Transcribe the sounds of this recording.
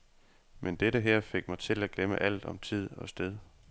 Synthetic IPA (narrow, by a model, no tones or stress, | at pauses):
mend̥eɾəɦɛɐ̰fe̝ɡ̥mɑ̈ɪt͡sʰe̝læɡ̥lemə̰ʔæl̰d̥ɒ̽mt͡sʰið̞̰ˠɒ̽sd̥eð̞ˠ